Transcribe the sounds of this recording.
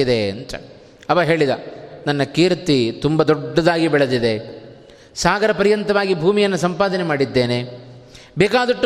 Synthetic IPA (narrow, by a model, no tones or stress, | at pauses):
id̪eɐ̰nt̪ɐ̰ | ɐʋɐɦeːɭid̪ɐnɐnːɐkiːɾt̪it̪umbɐd̪ɔɖːɐd̪aːɡibɛɭɐd̪id̪e | saːɡɐɾɐpɐɾijɐnt̪ɐʋaːɡibʱuːmijɐnːusɐmpaːd̪ɐnemaːɽid̪ːeːne | bɛːkaːd̪ɐʈːu